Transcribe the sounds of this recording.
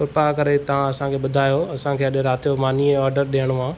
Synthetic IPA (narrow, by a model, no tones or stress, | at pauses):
kʊɾpakɐɾet̪ɐʋ̤ãɐsãkʰeːɓʊd̪ʱaːjoɐsãkʰeːɐɗɾaːt̪ʰijomaːniɛ̃ɔːɾɖəɾɗeəɽ̃oãː